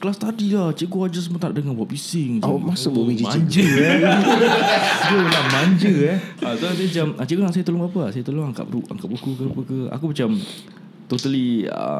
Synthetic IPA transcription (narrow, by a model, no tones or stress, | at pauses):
kəlast̪adilaht͡ʃikuad͡ʒasəmuat̪aʔ̚dəŋanbapisɪŋd͡ʒamasʊboid͡ʒimãɲd͡ʒə | ɡəəlamaɲd͡ʒəɛat̪oas̬ajamat͡ʃamat͡ʃibəŋãʔsajat̪oloŋbapəasajat̪oloŋaŋka̰ʔua̰ŋkaʔbukukəpəkəa̰kumat͡ʃam | t̪ot̪əliə̰